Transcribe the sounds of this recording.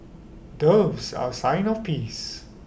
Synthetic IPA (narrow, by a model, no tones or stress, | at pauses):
dəvsa̰sãɪ̃nɔfpis